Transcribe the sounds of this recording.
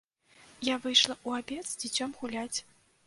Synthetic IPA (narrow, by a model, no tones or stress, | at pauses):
javɨjʂlˠɐʔuabʲɛt̪z̥d͡zʲit͡sʲɔmɣulʲat͡sʲ